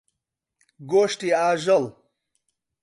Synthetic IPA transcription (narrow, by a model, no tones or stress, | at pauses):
ɡoːʂʈiaːʒɐl